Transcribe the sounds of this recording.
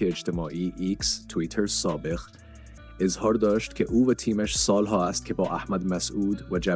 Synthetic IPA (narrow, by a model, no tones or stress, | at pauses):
eed͡ʒt̪ʰemɒːʔiːʔikst̪ʰuit̪ʰeɾsɒːbe̞ɣ | ezhɒːɾd̪ɒːʃt̪kʲʰeʔuːvæt̪ʰiːmæʃsɒːlɦɒːæst̪̚kʲʰe̞bɒːʔæhmæd̪mæsʔuːd̪væd͡ʒæ